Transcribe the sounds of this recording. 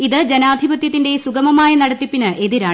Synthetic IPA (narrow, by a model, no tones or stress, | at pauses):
iðɨd͡ʑenaːd̪ʱibɐt̪jɐt̪ːinde̞suɡɐmɐmaːjɐnɐɽɐt̪ːipːinɨʔe̞ðiɾaː